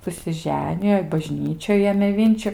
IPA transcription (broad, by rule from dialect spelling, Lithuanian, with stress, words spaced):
sʊsʲɪˈʒʲæːnʲɪjoː ɪ bɐˈʒʲnʲiːt͡ʃʲoːj ˈeːmʲeː ˈʋʲɪnʲt͡ʃʲʊ